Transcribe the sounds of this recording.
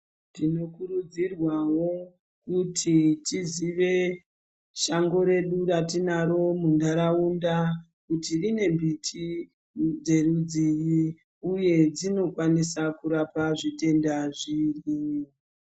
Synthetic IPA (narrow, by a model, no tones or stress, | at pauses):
ndino̞kuɾud͡zirwawo̞ | kutʰitiziʋe̞ | ʃaŋɡo̞ɾe̞ɗuratinaɾo̞mundaɾaunda | kutirine̞mbitʰi | d͡ze̞rud͡ziji | uje̞d͡zino̞kwanisakuɾapaʐite̞ndaʐiːri